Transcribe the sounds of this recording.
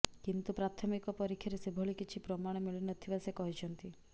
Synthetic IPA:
kint̪upɾat̪ʰɔmikɔpɔɾikʰjaɾesebʱɔɭikit͡ʃʰipɾɔmaɽ̃ɔmiɭinɔt̪ʰibasekɔɦit͡ʃʰɔnt̪i

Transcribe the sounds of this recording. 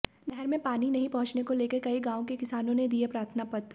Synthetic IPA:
nɛɦɛɾmẽpaːninɐɦĩpɐɦʊ̃t͡ʃnekoleːkekɐiɡãːõkekɪsaːnõned̪iepɾaːɾt̪ʰnapɐt̪

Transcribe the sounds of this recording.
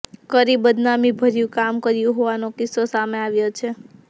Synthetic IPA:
kəɾibəd̪namibʱəɾjũkamkəɾjũɦoʋanokɪsːosameaʋjot͡ʃʰe

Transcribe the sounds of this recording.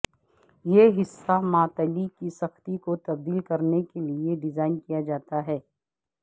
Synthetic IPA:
jeːɦɪsːamaːt̪ɐlikisɐxt̪ikot̪ɐb̚d̪iːlkɐɾnekelieɖɪzaːɪnkijad͡ʒaːt̪aɦɛː

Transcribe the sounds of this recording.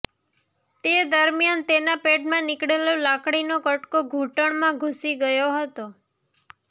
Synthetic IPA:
t̪ed̪əɾmijant̪enapeʈmãnɪkɽelolakɽinokəʈkoɡʱuʈəɳmãɡʱusiɡəjoɦət̪o

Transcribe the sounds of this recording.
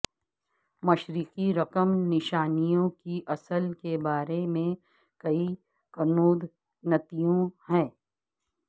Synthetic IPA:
mɐʃɾiːqiɾɐqəmnɪʃaːnijõkiʔɐsəlkebaːɾemẽ | kɐi | kɐnuːd̪ | nɐt̪ijõhɛ̃ː

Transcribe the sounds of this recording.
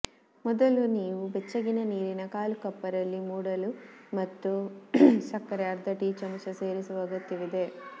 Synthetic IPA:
mɔd̪ɐluniːʋubɛt͡ʃːɐɡinɐniːɾinɐkaːlukɐpːɐɾɐlːimuːɽɐlumɐt̪ːu | sɐkːɐɾeɐɾd̪ʱɐʈiːt͡ʃɐmɐsɐseːɾisuʋɐɡɐt̪ːiʋid̪e̞

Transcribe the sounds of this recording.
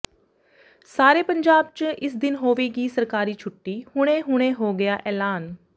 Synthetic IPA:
saːɾeːpəɲd͡ʒaːb̚t͡ʃɪsd̪ɪnɦoːʋeːɡiːsəɾkaːɾiːt͡ʃʰʊʈːiːhʊɽ̃ẽːɦʊɽ̃eːɦoːɡɪjaːʔɛːlaːn

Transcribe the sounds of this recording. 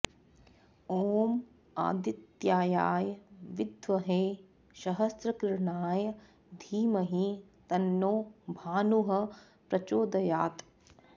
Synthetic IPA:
oːm | a̰ːd̪it̪jaːjaːjɐʋid̪ʱʋɐɦeː | ʃɐɦɐsɾɐkɾɳaːjɐ | d̪ʱiːmɐɦi | t̪ɐnːoːbʱaːnuɦɐ̆ | pɾɐt͡ʃoːd̪ɐjaːt̪

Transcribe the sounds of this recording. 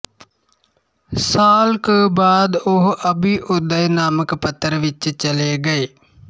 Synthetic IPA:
saːlkəbaːd̪ʊɦəbiʔʊd̪əjnaːməkpət̪ːəɾʋɪt͡ʃt͡ʃəleːɡəeː

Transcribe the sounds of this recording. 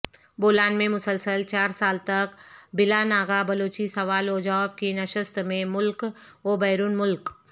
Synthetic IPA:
boːlaːnmẽmʊsəlsəlt͡ʃaːɾsaːlt̪ɐkbɪlanaːɡabɐloːt͡ʃisɐʋaːloːd͡ʒaːb̚kinɐʃəst̪mẽmʊlk | oːbɛːɾuːnmʊlk

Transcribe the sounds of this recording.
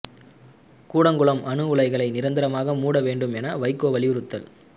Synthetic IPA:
kuːɽɐŋɡɯɭɐmʔɐɳɯʊɭɐɪɣɐɭɐɪnɪɾɐnd̪ɪɾɐmaːɣɐmuːɽɐʋeːɳɖɯmɛnɐʋɐɪkːoːʋɐɭɪjɯɾɯt̪ːɐl

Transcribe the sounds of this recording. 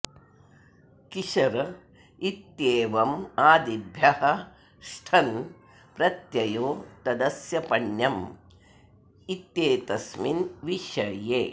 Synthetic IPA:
kiʃɐɾɐ | it̪jeːʋɐmaːd̪ibʱjɐhɐ̆ | ʃʈʰɐn | pɾɐt̪jɐjoːt̪ɐd̪ɐsjɐpɐɳjɐm | it̪jeːt̪ɐsminʋiʃɐjeː

